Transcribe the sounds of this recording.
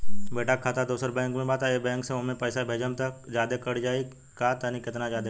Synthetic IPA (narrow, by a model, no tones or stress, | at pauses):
beːʈakʰat̪ad̪uːsəɾbɛ̃ːŋkmẽbaːt̪aebɛ̃ːŋkseomẽpəːsabʱeːd͡ʒəmt̪ɐkd͡ʒjaːd̪ekəɽd͡ʒaːi | kaːt̪anikɪt̪nad͡ʒjaːd̪e